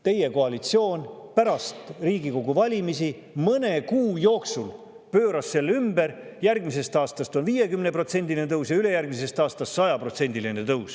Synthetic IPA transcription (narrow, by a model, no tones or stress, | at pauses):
t̪e̞je̞ko̞ɑlit̪sio̞ːnpæɾɑst̪riːɡiko̞ɡ̥uvɑlʲimisi | mɤne̞kuːjo̞ːksul | pøːɾɑsːe̞lːymbe̞ɾjærɡmise̞st̪ɑːst̪ɑst̪o̞nviːje̞kymnepro̞t̪se̞nʲd̪ilʲinet̪ɤwsjɑyle̞jærɡ̥mis̬e̞st̪ɑːst̪ɑst̪sɑjɑpro̞t̪se̞nʲd̪iline̞t̪ɤws